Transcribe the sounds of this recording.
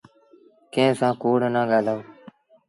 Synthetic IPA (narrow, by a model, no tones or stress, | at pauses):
kẽːsãːkoːɽnãːɠaːlaːoː